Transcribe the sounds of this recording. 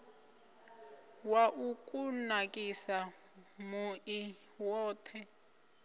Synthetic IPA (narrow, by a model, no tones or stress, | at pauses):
waʔukʼunakʼisa | muʔi | wɔːtʰɛ